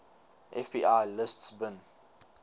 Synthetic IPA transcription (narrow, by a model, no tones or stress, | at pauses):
ʔɛfbiʔajlɪstsbə̃n